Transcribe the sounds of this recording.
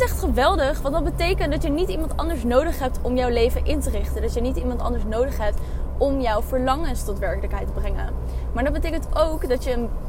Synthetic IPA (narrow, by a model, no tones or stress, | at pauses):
ɛχtχəʋɛlˠdəχʋɑntdɑt̚bətejkəntdɑtjənitimɑntɑ̰ndəɹsnowdəχɦɛp̚tɔmjɔwlejvənʔɪntərɪχtəndɑtjənitimɑntɑ̰ndəɹsnowdəχɦɛp̚tɔmjɔwvəɹlɑŋənstɔtʋɛɹkələkɦɛjtəbrɛŋə̰n | maːɹdɑd̚bətejkəntowkdɑtjəːn